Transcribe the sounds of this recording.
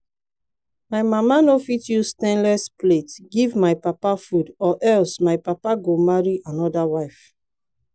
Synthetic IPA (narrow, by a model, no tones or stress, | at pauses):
maɪmamanofitjustɛ̃nlɛspletɡivmaɪpapafudɔʔɛlsmaɪpapaɡomaɹiʔãnɔdawaɪf